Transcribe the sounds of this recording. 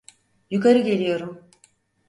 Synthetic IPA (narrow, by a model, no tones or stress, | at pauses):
jukaɾɯɟe̞lʲijo̞ɾum